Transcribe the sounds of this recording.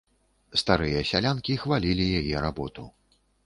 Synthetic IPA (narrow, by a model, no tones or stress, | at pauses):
st̪aɾɨjɐsʲalʲankʲixvalʲilʲijajɛɾabɔt̪u